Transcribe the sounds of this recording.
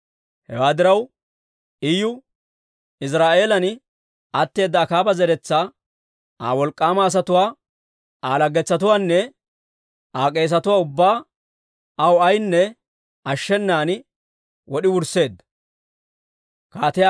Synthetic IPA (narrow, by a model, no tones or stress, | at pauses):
hɛ̰waːd̪ɪɾɐw | ʔɪjʊ | ɪs̬ɾaːʔe̞ːlɐn | ɐt̪ːe̞ːd̪ːɐːkaːbɐzɛɾɛt͡sːaː | aːwɔlkʼːaːmaːs̬ɐt̪ʊwaː | aːlɐɡɛt͡sːɐt̪ʊwaːnːɛ | aːkʼe̞ːs̬ɐt̪ʊwaːʊbːaː | ɐwɐjnːɛ | ɐʃːɛnːaːn | wʔɔɗɪwʊɾse̞ːd̪ːɐ̥ | kaːt̪ɪja